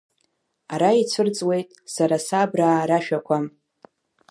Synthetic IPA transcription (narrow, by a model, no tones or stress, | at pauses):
aɾait͡sʷʰɨrt͡sʼwe̞jtʼsaɾasabraːɾaʃᶣakʷʰam